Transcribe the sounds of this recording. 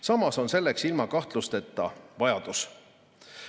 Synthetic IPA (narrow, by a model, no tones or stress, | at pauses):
sɑmɑso̞nse̞lːe̞ksilmɑkɑht̪lust̪e̞t̪ːˑɑ̰vɑjɑd̪̥us